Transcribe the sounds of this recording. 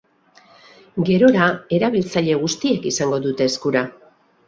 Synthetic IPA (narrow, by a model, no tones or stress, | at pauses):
ɡe̞ɾo̞ɾae̞ɾaβilt͡saʎe̞ɣ̞ust̪iekisaŋɡo̞ðut̪e̞ːskuɾa